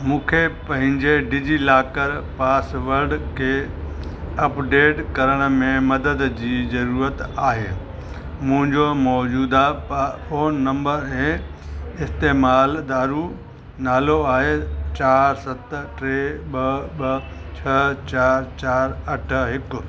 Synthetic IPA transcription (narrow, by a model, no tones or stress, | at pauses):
mũːkʰepɐ̃ɦɪ̃ɲd͡ʑeɖid͡ʑilaːkəɾpaːsʋəɾɖkʰeː | ɐpɖeːʈkɐɾəɽ̃ə̆mẽmɐd̪əd̪d͡ʑiːzɐɾuːɾət̪aːɦḛː | mʊ̃ɦɪ̃ɲd͡ʑomɔːd͡ʑuːd̪apfoːnnɐ̃mbəɾɦẽ | ɪst̪eːmaːld̪aːɾu | naːloaːɦet͡ɕaːɾsɐt̪ʈɾeɓɐɓɐ | t͡ɕʰɐt͡ɕaːɾt͡ɕaːɾɐʈ̆ʰɦɪkʊ